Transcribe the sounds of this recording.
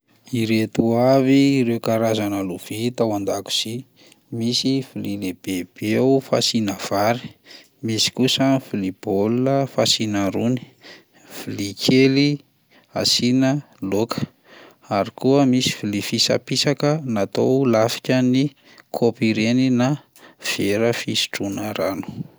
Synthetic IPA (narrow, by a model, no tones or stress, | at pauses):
iɾet̪uaviːɾewkaɾazanəluv̥it̪awand̪aku̥z̥i | misifilileb̥eb̥eufa̰sinəv̥aɾi̥ | misi̥kusəfilib̥olunəfasinaɾuni̥ | v̥ilikʰeli | asinə | lokʰə̥ | aɾikuəmisi̥vilifisa̰pisakənat̪olafi̥kʲəni | kʰopiɾenina | v̥eɾəfisi̥ʈ͡ʂunəɾanu̥